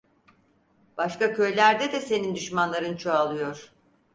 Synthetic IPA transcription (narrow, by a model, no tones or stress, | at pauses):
b̥aʃkacʰø̞jlʲæɾd̪ɛd̪ɛse̞nind̪yʃmanlˠaɾɯnt͡ʃʰoalˠɯjo̞ɾ̥